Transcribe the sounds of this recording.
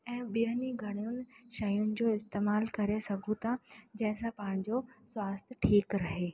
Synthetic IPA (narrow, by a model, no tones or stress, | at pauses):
ɛ̃ːɓiəniɡʱɐɽ̃ijʊnɪ̆ʃɐjʊnɪ̆d͡ʑoːɪst̪eːmaːlkɐɾesɐɡʱũt̪ʰãd͡ʑɐ̃ɦɪ̃sãpɐɦɪ̃ɲ̆d͡ʑoswaːst̪ʰʈʰiːkɾɐɦeː